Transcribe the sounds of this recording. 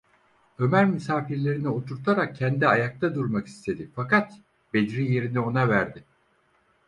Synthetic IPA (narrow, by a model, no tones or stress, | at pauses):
ø̞mæɾmysaːfiɾlʲe̞ɾinio̞t̪ʰuɾt̪ʰaɾak̚cʰːɛnd̪iajak̚t̪ʰad̪uɾmaki̥st̪ʰe̞d̪ifakat̪ | be̞d̪ɾije̞ɾinio̞navæɾd̪ɪ